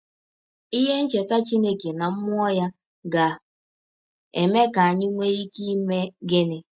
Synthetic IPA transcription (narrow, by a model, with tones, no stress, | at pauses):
i˦ɦe˦n̩˦t͡ʃe˨ta˦t͡ʃi˦ne˦ke˨na˨m̩˦mʊ˦ɔ˦ja˦ | ɡa˨ | e˨me˦ka˨a˨ɲɪ˦ŋʷe˦ɾi˦ki˦me˦ɡɪ˦nɪ˦